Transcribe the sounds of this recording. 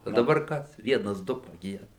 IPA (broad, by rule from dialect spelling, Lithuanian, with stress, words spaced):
oː dɐˈbɐr ˈkɐs ˈʋʲiɛnɐs ˈdʊ pɐˈɡʲiɛdɐ